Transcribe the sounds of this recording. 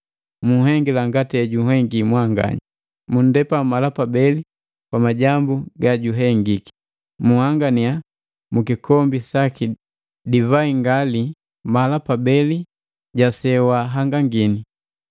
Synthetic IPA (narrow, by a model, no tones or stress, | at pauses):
muɦɛŋɡilaŋɡatɛɟuhɛŋɡimwaŋɡa̰ɲa | mun̩dɛpamalapabɛli | pamaɟambuɡaɟuɦɛŋɡiki̥ | muhaŋɡania | mukikʰɔmbisaki | divaiŋɡali | malapabɛli | ɟasɛwaɦaŋɡaŋɡini